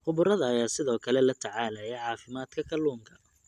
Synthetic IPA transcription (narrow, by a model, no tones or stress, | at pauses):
χʊβʊɾɐðɐːjaːsɪðɔːkʰɐlɛlɐt̪ʰɐʕaːlɐjɛjʕɑːfɪmaːd̪̥kʰɐkʰɐluːŋkʰɐ